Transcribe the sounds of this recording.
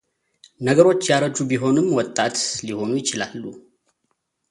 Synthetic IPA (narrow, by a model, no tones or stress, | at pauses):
nəɡəɾo̞t͡ʃːjaɾəd͡ʒubiɦo̞nɨmːwɔt̪ʼːat̪liho̞nujɪt͡ʃɪlalːu